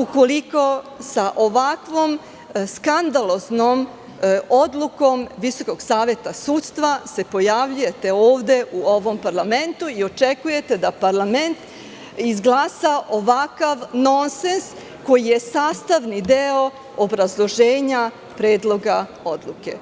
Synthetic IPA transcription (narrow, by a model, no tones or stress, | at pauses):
uko̞liko̞saʔo̞ʋakʋo̞m | skand̪alˠo̞znom | o̞d̪lˠuko̞mʋiso̞ko̞ɡsaːʋe̞t̪asuːt̪st̪ʋase̞po̞jaʋʎujet̪e̞oːʋd̪e̞ʔuo̞ʋo̞mpaɾlame̞nt̪uio̞t͡ʃekuje̞t̪e̞d̪apaɾlˠame̞nt̪ | izɡlˠasaʔo̞ʋakaʋno̞nsens | ko̞jije̞saːst̪aʋnid̪eo | obɾazlˠo̞ʒeːɲa | pɾeːd̪lˠo̞ɡa | od̪lˠuke